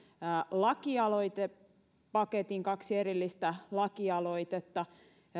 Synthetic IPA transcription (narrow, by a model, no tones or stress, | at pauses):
lɑkiɑloit̪e | pɑket̪iŋkɑksieɾilːist̪ælɑkiɑloit̪et̪ːɑ